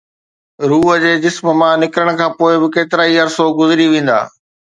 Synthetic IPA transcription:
ɾuːɦəd͡ʑeːd͡ʑɪsməmãːnɪkɾəɽ̃̆kʰãːpoːɪbɪkeːt̪ɪɾaːiɐɾsoɡʊzɪɾiʋẽːn̆d̪a̰ː

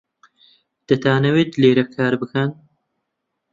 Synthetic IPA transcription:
d̪̥ɐt̪ʰaːnɐweːt̪leːɾɐkʰaːɾbɨkɐn

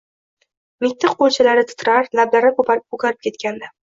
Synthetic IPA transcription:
mɪk̚ʲt̪ʰːɨqolt͡ʃʰalaɾɪt̪ʰʊ̥t̪ʰɾaɾlablaɾɪkʰopaokʰʲaɾɪpkʰʲe̞t̪kʲand̪a

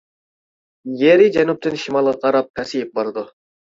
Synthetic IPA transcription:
jeɾid͡ʒænup̚t̪ɨnʃimɑlˠʁɑqʰɑɾɑp̚kʰæsijɪp̚bɑɾd̪ʊ

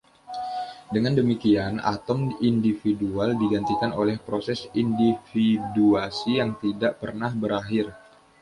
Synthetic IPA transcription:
dəŋandəmikiana̰t̪ɔmindifidualdiɡant̪ikanolɛhpɾosɛsindifiduasijaŋt̪idaʔpərnahbəɾaɦɪr

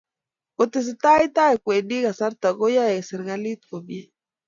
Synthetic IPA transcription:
ot̪es̬et̪ajt̪aekʷeniɣasaɾt̪aɣojaeseɾɣalit̪̚kobje

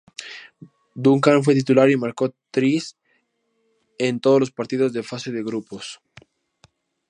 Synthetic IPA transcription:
d̪uŋkanfwet̪̬it̪ulaɾimaɾkot̪ɾis | ent̪oðolospaɾt̪iðozðefaseðeɣɾupos

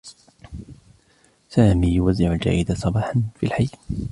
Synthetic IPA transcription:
saːmiːjʊwazːɪʕald͡ʒa̰ːʔɪd̪asˤɑbɑːħanfḭlħaj

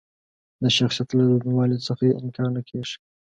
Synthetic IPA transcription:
d̪əʃaxsijat̪lad̪uniwɑlosəxajeʔɪmkʰɑɾnəkʰeʂi̥

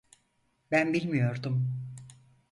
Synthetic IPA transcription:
bænbilʲmijo̞ɾd̪um

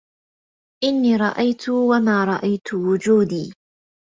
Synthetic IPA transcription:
ʔɪnːiːɾˤɑʔajt̪ʰʊwamaːɾˤɑʔajt̪ʊwʊd͡ʒuːd̪iː

